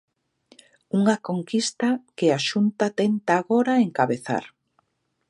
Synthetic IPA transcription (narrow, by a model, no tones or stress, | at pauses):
uŋɐkoŋkist̪akɪaʃunt̪at̪ent̪aːɣoɾaeŋkaβeθa̰ɾ